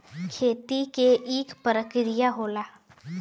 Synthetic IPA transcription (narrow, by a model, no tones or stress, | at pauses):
kʰeːt̪ikeʔiːkpəɾəkɾɪjaɦoːlaː